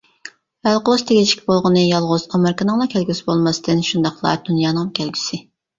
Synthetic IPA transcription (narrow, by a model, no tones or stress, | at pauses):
vælˠqəlˠʊzt̪ʰeɡʲɪt͡ʃʰi̥kʲbolˠʁənɨjɑlˠʁʊzɑmɛɾkənɨŋlˠɑkʲʰɛlɡʲysɪbolˠmɑst̪ɨnʃund̪ɑqlˠɑ̰t̪ʰunjɑnɑmkʲɛlɡʲy̥sɪ